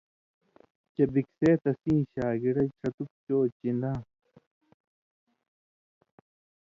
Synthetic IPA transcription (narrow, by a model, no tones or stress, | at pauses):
t͡ɕɐbikseːt̪ɐsĩːɕaːɡiɽɐjt͡ɕʰɐt̪uk̚t͡ɕoːt͡ɕind̪ã